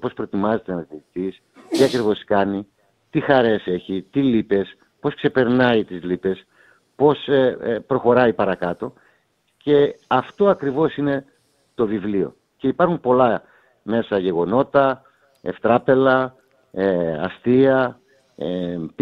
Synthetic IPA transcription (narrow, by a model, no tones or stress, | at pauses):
po̞spɾoet̪imɐze̞t̪enɐsiit̪is | t̪iɐkɾivo̞skɐni | t̪ixɐɾe̞se̞çit̪ilipe̞s | po̞skse̞pe̞ɾnɐit̪izlipe̞s | po̞spɾo̞xo̞ɾɐipɐɾɐkɐt̪o̞ | ce̞ɐft̪o̞ɐkɾivo̞sine̞ | t̪o̞vivlio̞̰ | ce̞ipɐɾxumpo̞lɐ | me̞sɐʝe̞ɣo̞no̞t̪ɐ | eft̪ɾɐpe̞lɐ | eɐst̪iɐ | ep